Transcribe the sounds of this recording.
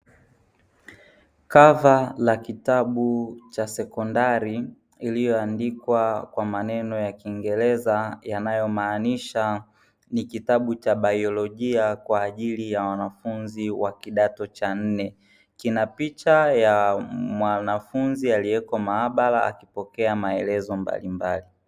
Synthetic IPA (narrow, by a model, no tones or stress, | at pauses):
kavalakitaɓut͡ʃasɛkɔndaɾi | ilijɔandikwakwamanɛnɔjakiːŋɡɛlɛzajanajɔmaːniʃa | nikitaɓut͡ʃaɓaiɔlɔʄiakwaːʄilijawanafunziwakiɗatɔt͡ʃan̩nɛ | kinapit͡ʃajamwanafunzialiɛkɔmaaɓalaa̰kipɔkɛamaɛlɛzɔmba̰limbali